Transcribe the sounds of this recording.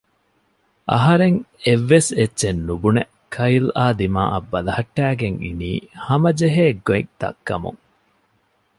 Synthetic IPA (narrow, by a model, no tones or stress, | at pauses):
ʔɐ̰ɦɐɾeŋeʋːesetːʃenːubune | kʰɐilaːd̪ima̰ːʔɐ̰bːɐlɐhɐʈːæːɡeŋḭnḭːhɐmɐd͡ʒeɦeːɡoik̚d̪̥ɐ̰kːɐmṵŋ